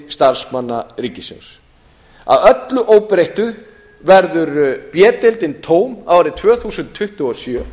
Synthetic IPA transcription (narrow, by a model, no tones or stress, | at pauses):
st̪aɾ̥smanːaɾiːcɪsɛ̰ns | a̰ðœt̪lʏʔoːwpɾejht̪ʏð | vɛɾðʏɾpjɛːt̪ɪlt̪ɪnt̪ʰoːwma̰waɾɪt̪ʰvœːθuːsʏnt̪ʰːʏht̪ʏɔsjœː